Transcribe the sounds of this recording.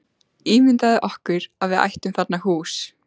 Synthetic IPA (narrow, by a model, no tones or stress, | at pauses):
iːmɪnt̪aðɪʔɔhkʏɾaðvɪða̰jht̪ʏmθat̪nahuːs